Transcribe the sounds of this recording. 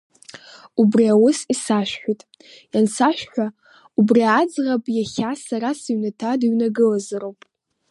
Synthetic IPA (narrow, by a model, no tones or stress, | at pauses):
ubriawʊsisaʃᶣħʷᶣitʼ | jansaʃʷᶣħʷᶣa | ubriad͡zʁapʼjaχʲasaɾasiɥnatʰadiɥnaɡɨlazaɾowpʼ